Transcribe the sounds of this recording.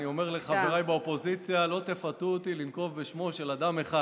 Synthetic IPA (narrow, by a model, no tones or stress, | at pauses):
nio̞meʁleχaveʁajbeopo̞zit͡sjalo̞t̪e̞fat̪uot̪ilinko̞vbeʃmo̞ʃe̞lad̪ame̞χa